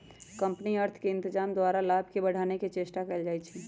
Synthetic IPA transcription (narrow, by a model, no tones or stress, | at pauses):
kə̃mpniəɾt̪ʰkeɪ̃nt̪ɪd͡ʒaːmd̪waːɾalaːbʱkebəɽ̤aːneket͡ʃeːsʈakɛld͡ʒaːɛt͡ʃʰi